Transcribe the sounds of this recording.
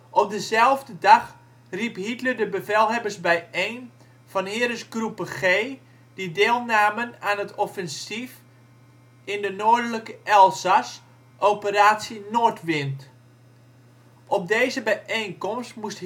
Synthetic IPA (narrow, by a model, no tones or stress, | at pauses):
ʔɔp̚dəzɛlˠvdədɑx | riphitləɹdəbəvɛlˠɦɛbərsbɛjejn | v̥ɑnhɪːɾəsɡrupəχeː | d̥ideːlˠnaːmənaːnətɔfɛnsif | ɪndənoːɹdələkəʔɛlˠsas | ʔowpəɾaːtsinoːɹtʋɪnt | ʔɔp̚deːzəbɛjʔejnkɔmstmust